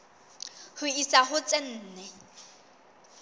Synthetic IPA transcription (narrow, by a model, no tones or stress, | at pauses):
hʊisaɦʊt͡sʼen̩ːnɛ